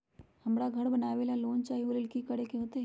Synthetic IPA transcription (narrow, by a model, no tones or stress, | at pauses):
hɐmɽaɡʱɐɽbɐnaːʋeːlaloːnt͡ʃaːɦiolɪlkikɐɽekeɦoːt̪e